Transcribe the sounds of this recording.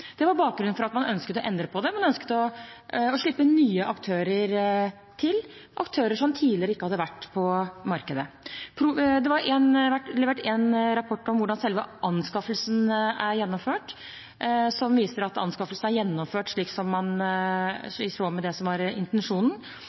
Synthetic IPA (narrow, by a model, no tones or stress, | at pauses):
d̪̥ɛʋɑɾbɑːk̚ɡɾʉnfɔɾɑt̪mɑnœnskət̪ɔʔɛnd̪ɾəpʰɔd̪ɛmɛnœnskə̥t̪ɔɔʂɭɪpːənyːəʔɑkt̪ʰøːɾəɾ | t̪ʰɪlʔɑkt̪ʰøːɾəʂɔmt̪ʰiːd̪lɪəɾəɪkːəhɑd̪ːəʋæʈːpʰɔmɑɾkəd̪ə | pʰɾʊd̪ɛʋɑɾɛnʋæʈlɛʋeːʈɛnɾɑpʰɔʈːɔmʋʊɖɑnsɛlʋəʔɑnːskɑfəlsnæɾjɛnːɔmføːʈ | sɔmʋiːsəɾɑt̪ɑ̰nskɑflsnæɾjɛnːɔmføːʈʂɭiːksɔmːɑn | soːmɛd̪ɛsɔmʋɑɾɪ̰nt̪ɛnʂuːnn̩